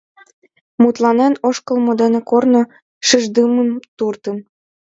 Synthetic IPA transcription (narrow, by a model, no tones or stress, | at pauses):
mut̪lɑnenoʃkɤ̆lmŏd̪ĕnĕkorno | ʃəʒd̪ɯməmt̪urt̪ɤ̆n